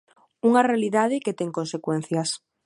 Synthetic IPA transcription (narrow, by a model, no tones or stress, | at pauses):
uŋarealiðaðeket̪eŋkonsekwẽn̟θjas